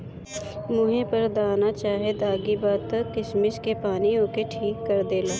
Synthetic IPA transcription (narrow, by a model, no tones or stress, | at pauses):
mʊɦẽpɐɾd̪aːnat͡ʃaːɦed̪aːɡibaːd̪̚t̪ɐkɪʃmɪʃkepaːnioːkeʈʰiːkːɐɾd̪eːlaː